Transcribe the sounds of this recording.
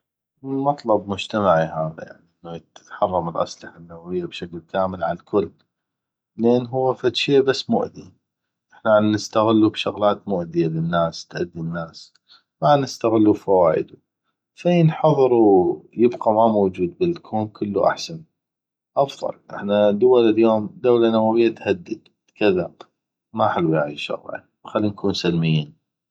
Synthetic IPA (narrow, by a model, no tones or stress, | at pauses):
mɑt̪ˤlɑbmʊd͡ʒt̪amaʕiɦaːða̰ja̰ʕniʔɪnːajɪt̪ħɑrˤːɑmɪlʔa̰sˤlɪħanːawawɪjːabʃaklkaːmɪlʕalkʰʊlː | lʔeːnɦʊwːafat̪ʃeːʔbasːmʊ̰ʔd̪i | ʔɪħnaʕannɪst̪aɣɪlːubʃʊɣlaːt̪mʊʔd̪ɪjalənːaːst̪ʔa̰d̪ːinːaːs | manːɪst̪aɣɪlːufawaːʔɪ̰d̪u | fiːnħɑðˤɨɾuwjəbqamamowd͡ʒuːd̪̚bɪlkʰuːnkʰəlːṵʔa̰ħsan | ʔɑfðˤɑ̰lʔɪ̰ħnad̪ʊwalɪljoːmd̪awlanawawɪjːat̪had̪ːəd̪ | kaða | maħalwjaʕḭʃa̰ɣʕḭ | xalːinkʰuːnsalmɪjːiːn